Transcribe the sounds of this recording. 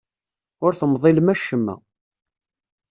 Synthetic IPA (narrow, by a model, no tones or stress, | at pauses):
ʊɾθəmðˤelmæʃːəmːæ̰